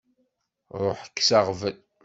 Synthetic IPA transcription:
ɾˤoħə̥kːsɑʁvən

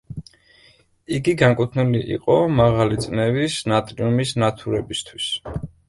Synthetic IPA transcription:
iɡiɡaŋkʼut̪ʰnuliʔḭqʼɔmaʁalit̪sʼnɛvisnat̪ʼɾiumisnat̪ʰuɾɛbist̪ʰwis

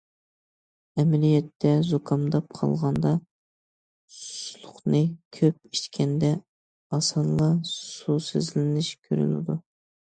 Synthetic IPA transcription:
ɛmɛlijɛt̪ːɛzokʰɑmd̪ɑp̚qʰɑ̰lˠʁɑnd̪ɑ | sulˠʊχnɨkʲʰøp̚it͡ʃkʲʰɛnd̪ɛ | ɑsɑnlˠɑsusezlɪnɪʃkʲʰø̰ɾy̰nɪ̰d̪u

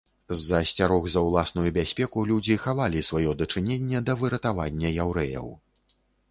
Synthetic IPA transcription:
zɐsʲt͡sʲaɾɔɣzɐwlˠasnujubʲasʲpʲɛkulʲud͡zʲixavalʲisvajɔd̪ɐt͡ʂɨnʲenʲːɛd̪ɐvɨɾɐt̪avanʲːɐjawɾɛ̰jɐ̰w

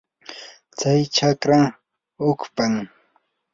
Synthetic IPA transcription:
t͡sajt͡ʃʰakɾaŋ | hʊkpaŋ

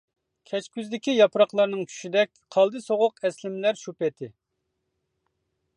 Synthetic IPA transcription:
kʲʰɛt͡ʃkʲyzd̪ɪkʲijɑpɾɑqlˠɑɾnɨŋkʲʰy̥ʃid̪ɛk̚ʲqʰɑlˠd̪ɨsoʁʊqɛslɪmlæɾʃupɛt̪ʰɪ

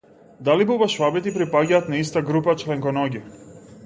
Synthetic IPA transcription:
d̪alibubaʃvabɛt̪ipɾipaɟaːt̪naist̪aɡɾupat͡ʃlɛŋkɔnɔɟʲi

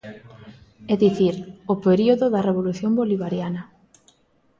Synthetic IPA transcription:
ɛðiθiɾopeɾioðoðɐreβoluθjoŋboliβaɾjanɐ

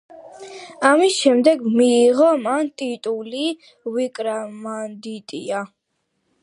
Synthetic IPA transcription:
amisʃɛmd̪ɛɡmiːʁɔmant̪ʼit̪ʼuli | vikʼɾamand̪it̪ʼḭa

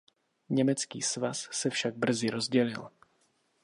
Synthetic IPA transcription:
ɲɛmɛt͡skḭːsvasːɛfʃaɡ̚br̩zɪɾo̞zɟɛlɪ̰l

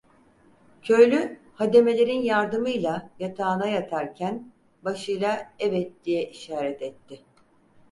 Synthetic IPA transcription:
cʰø̞jlʲy | had̪e̞me̞lʲeɾinjaɾd̪ɯmɯjlˠajat̪ʰaːnajat̪ʰaɾcʰæn | baʃɯjlˠaɛvɛt̪̚d̪̥ijɛʔiʃaːɾɛt̪ɛt̪ːɪ

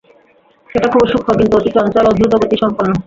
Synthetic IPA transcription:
ʃeʈakʰubʃukʰːokint̪uot̪iʈɔnt͡ɕɔlod̪ut̪oɡot̪iʃɔmponːo

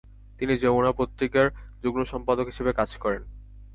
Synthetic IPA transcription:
t̪inid͡ʑemonapot̪ːikaɾd͡ʑuɡnoʃɔmpad̪okɦi̥ʃebekad͡ʑkɔɾen

